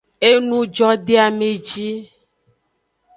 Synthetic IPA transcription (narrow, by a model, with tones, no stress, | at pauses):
e˦nũ˦d͡ʒɔ˦ɖe˦a˨me˨d͡ʒi˦